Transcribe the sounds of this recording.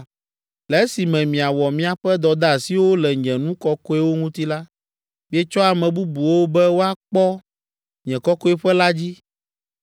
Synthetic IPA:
lɛ˨˦si˨mɛ̃˨mĩ˨a˨wɔ˨mĩ˦a˨ɸɛ˦d̪ɔ˨d̪a˦˨si˦wo˦lɛ˨ɲɛ̃˨nũ˦kɔ˦kɔ˦ɛ˦wo˦ŋũ˦t̪i˦la˦ | mĩ˦ɛ˦t͡ʃɔ˦a˨mɛ̃˨bu˦bu˨wo˦bɛ˦wo˦a˦k͡pɔ˦ | ɲɛ̃˨kɔ˦kɔ˦ɛ˦ɸɛ˦la˦d͡ʑi˦

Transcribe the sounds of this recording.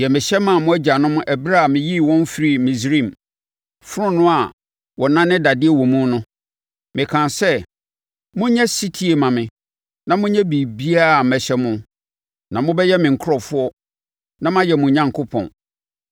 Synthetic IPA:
jɛ˨mɪ̃˨ɕɛ˦mã˨mʊ̃˦æ˦d͡ʑa˨nʊ̃˦mʊ̃˦ʔæ˨bɾa˦a˨mɪ̃˨ji˦˨wɔ̃˦n˦fɾi˦˨mĩ˨s̬ɾĩ˦˨m | fʊ˦ɾʊ̃˦nʊ̃˦a˨ | wɔ˨nã˦nɪ̃˦da˨dɪ˦ɛ˨wɔ̃˨mũ˦nʊ̃˦ | mɪ̃˨kʰã˨nsɛ˦ | mʊ̃˦ɲɛ̃˦si˦tʰi˦e˨mã˨mɪ̃˨ | nã˨mʊ̃˦ɲɛ̃˦bi˨bi˦a˦˨mɛ˨ɕɛ˦mʊ̃˦ | nã˨mʊ̃˦bɛ˦jɛ˦mɪ̃˨ŋ̩˨kʰʊ˦ɾɔ˨fʊ˦ɔ˦ | nã˦mã˦jɛ˨mʊ̃˨ɲã˨ŋkʰo˦pʰɔ̰̃˨n

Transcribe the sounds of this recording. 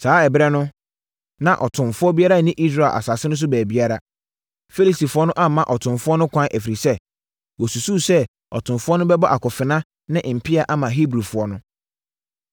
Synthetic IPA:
saː˨˦ɛ˨bɾɛ˦nʊ̃˦ | nã˨ʔɔ˨tʰʊ̃˨fʊ˦ɔ˦bi˦a˦ɾa˦˨nĩ˦ʔi˦s̬ɾa˨ʔa̰˨sa˨sɪ˦nʊ̃˦s̬ʊ˦bæː˨bi˦a˦ɾa˦ | fe˦li˨si˨fʊ˦ɔ˦nʊ̃˦ʔã˦˨mã˦ʔɔ˨tʰʊ̃˨mfʊ˦ɔ˦nʊ̃˦kʷʰã˦ʔæ˨fi˨ɾi˨sɛ˦ | wɔ˨su˨su˦sɛ˦ | ɔ̰˨tʰʊ̃˨mfʊ˦ɔ˦nʊ̃˦bɛ˦bɔ˦ʔa˨kʰɔ˨fɪ˨nã˦ | nɪ̃˦˨m̩˨pʰɪ˦a˨ʔa˦mã˨ɦi˦bɾu˨fʊ˨˦ɔ˦nʊ̃˦

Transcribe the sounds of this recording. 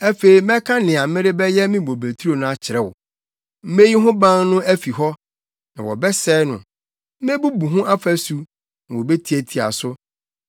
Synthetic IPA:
ɛ˦fe˨i˨mɛ̃˦kʰã˦nɪ̃˨a˨mɪ̃˦ɾɪ˦bɛ˦jɛ˦mɪ̃˦bo˨be˨tʰu˦ɾo˨nã˦a˦t͡ɕʰɪ˨ɾɛ˦wʊ̰˨ | m̩˦me˦ji˦ɦʊ̃˦bã˦ŋnʊ̃˦æ˦fi˨ɦɔ˦ | nã˨wɔ̰˨bɛ˦sɛː˦nʊ̰̃˨ | m̩˦me˦bu˦bu˨ɦʊ̃˦a˦fæ˦su˨ | nã˨wɔ˨be˦tʰi˨˦e˨tʰi˨a̰˨sʊ˦

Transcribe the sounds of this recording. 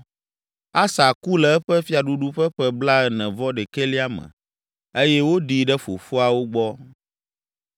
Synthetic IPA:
a˦sa˨ku˦lɛ˨ɛ˦ɸɛ˦fi˦a˨ɖu˦ɖu˦ɸɛ˦ɸɛ˦bla˦ɛ˨nɛ̃˨vɔ˦ɖɛ˨ke˦li˦a˦mə̰̃˨ | e˦jɛ˦wo˦ɖi˨ɖɛ˦fo̰˨fo˦a˨wo˦ɡ͡bɔ˦

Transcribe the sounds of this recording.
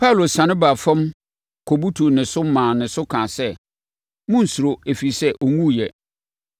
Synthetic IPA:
pʰa˦u˨lo˨sã˨nɪ̃˦ba˨fã˦m | kʰo˨bu˦tʰu˨nɪ̃˨sʊ˦mãː˨nɪ̃˨sʊ˦kʰã˨sɛ˦ | mʊ̃˦n̩˨su˨ɾo˨e˨fi˨sɛ˦ʔo˨ŋũ˦jɛ˨

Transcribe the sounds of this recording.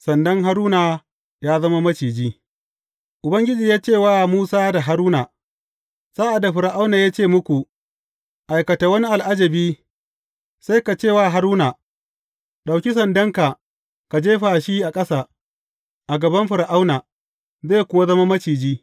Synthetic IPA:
sɐ˨ndɐ˦ŋɦa˦ɾuː˦naː˨ | jaː˦zɐ˦ma˦mɐ˦t͡ʃiː˨d͡ʒiː˦ | ʔʊ˨bɐ˦ŋɡʲɪ˦d͡ʒiː˨jaː˦t͡ʃeː˦˨waː˦muː˦saː˦da˨ɦa˦ɾuː˦na˨ | saː˦ʔa˨da˨ɸɪ˨ɾa˨ʔa˦wna˨jaː˦t͡ʃeː˦˨mʊ˦kʷu˨ | ʔa˨jkɐ˨ta˨wɐ˦ni˦ʔa˨lʔa˦d͡ʒɐ˨biː˦ | sa˦jka˨t͡ʃeː˦˨waː˦˨ɦa˦ɾuː˦na˨ | ɗa˨wkʲi˦s̬ɐ˨ndɐ˦ŋka˨ | ka˨d͡ʒeː˦ɸaː˨ʃi˦ʔa˨kʼɐ˦sa˨ | ʔa˨ɡɐ˨bɐ˦mɸɪ˨ɾa˨ʔa˦wna˨ | zeː˦˨kʷʊ˦ma˦zɐ˦ma˦mɐ˦t͡ʃiː˨d͡ʒiː˦

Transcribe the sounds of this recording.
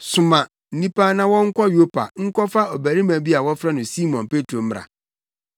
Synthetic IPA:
sʊ˨mã˨ | n̩˨nĩ˦pʰa˦nã˦wɔ̃˦ŋ̩˦kʰɔ˦jo˦pʰa̰˨ŋ̩˦kʰɔ˦fa˦ɔ˨bæ˨ɾi˦mæ̃˨bi˦a˨wɔ˦fɾa˦nʊ̃˨si˦mɔ̃˨npe˦tʰɾo˨m̩˦m˦ɾa̰˨

